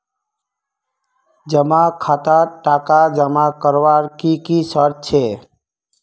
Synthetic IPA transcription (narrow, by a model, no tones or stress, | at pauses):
d͡ʒəmakʰat̪aʈakad͡ʒəmakəɾʋaɾkikisəɾ̚t͡ʃʰe